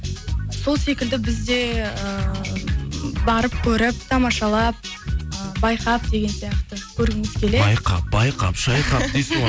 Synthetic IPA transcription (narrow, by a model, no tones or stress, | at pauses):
so̞lˠse̞kʲɪld̪ɪbɪzd̪e̞ə | bɑɾəp̚kʲʰɵɾɪp̚t̪ʰɑmɑʃɑlˠɑp̚əbɑjqɑp̚d̪e̞ɡʲe̞nsijɑqt̪əkʲʰɵɾɪɪŋɪz̥kʲʰe̞lebɑjqɑ̰p̚bɑjqɑ̰pʃɑjqɑpd̪es